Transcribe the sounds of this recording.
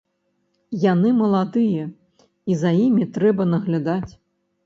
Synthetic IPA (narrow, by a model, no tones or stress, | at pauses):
janɨmɐlˠad̪ɨjɐ | izɐjimʲit̪ɾɛbɐnɐɣlʲad̪at͡sʲ